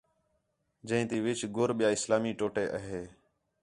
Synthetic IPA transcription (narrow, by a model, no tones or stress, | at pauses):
d͡ʒə̃ĩːt̪iːʋɪt͡ʃɡoːɾɓɪjaːɪslaːmiːʈoːʈeːʔəɦeː